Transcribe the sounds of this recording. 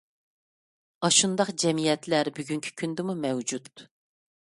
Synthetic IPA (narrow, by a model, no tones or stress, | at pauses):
ɑʃund̪ɑqd͡ʒɛmijɛt̪læɾbyɡʲyŋkʲʰi̥kʲʰynd̪ɪmumɛwd͡ʒut̪̚